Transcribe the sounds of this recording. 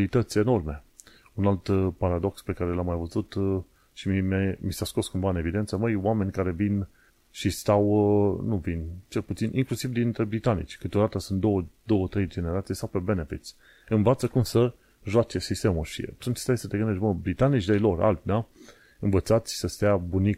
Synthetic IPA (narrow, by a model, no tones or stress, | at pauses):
lit̪ət̪sʲe̞no̞rme̞ | unalt̪paɾad̪o̞kspe̞kaɾelamːajvəzut̪ | ʃimmemisasko̞skumvaɨne̞vid̪e̞nt̪səməjwame̞nʲkaɾe̞vin | ʃist̪awnuvint͡ʃe̞lput̪sinʔiŋklusivd̪int̪ɾe̞bɾit̪anḭt͡ʃʲkɨt̪od̪at̪əsunt̪̚d̪o̞wəd̪o̞wət̪ɾe̞jd͡ʒe̞neɾat̪sijsawpe̞be̞nefit̪sʲ | ɨnvat̪səkumsə | ʒoat͡ʃe̞sist̪e̞muʃḭat̪unt͡ʃst̪ajsət̪eɡɨnd̪e̞ʃbəbɾit̪anit͡ʃd̪ajlo̞ɾa̰lbna | ɨnvət̪sat̪sʲsəst̪ejabunik